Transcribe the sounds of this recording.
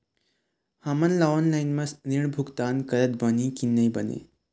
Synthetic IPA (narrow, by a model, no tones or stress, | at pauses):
hamənlaʋɔnlajinməsniɳbʱukt̪ankəɾət̪̚bənikinːəjbənḛ